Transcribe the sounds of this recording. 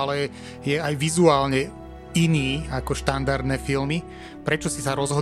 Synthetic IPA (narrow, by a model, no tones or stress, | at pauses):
alɛ | jɛajʋizuaːlɲɛ | iniːakɔʃt̪and̪aɾd̪nɛfilmi | pɾɛt͡ʃɔsisaɾɔzɦɔ